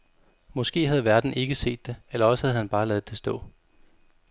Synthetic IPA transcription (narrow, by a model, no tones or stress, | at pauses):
mɒ̽sɡ̥e̝̰ːɦæð̞̩ˠʋæɐd̥n̩e̝ɡ̥əse̝̰ːd̥ːe̝elɐɒ̽sə̥hæð̞̩ˠhænb̥ɑ̈ːlɛːð̩ˠd̥e̝sd̥ɔ̰̽ː